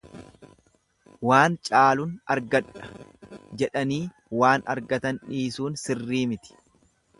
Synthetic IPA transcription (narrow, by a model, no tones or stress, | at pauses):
waːnt͡ʃʼaːlʊnɐ̰ɾɡɐᶑɐ̥d͡ʒɛᶑɐniː | waːnɐɾɡɐt̪ɐnᶑiːsuːnsɪrːiːmɪt̪ɪ̥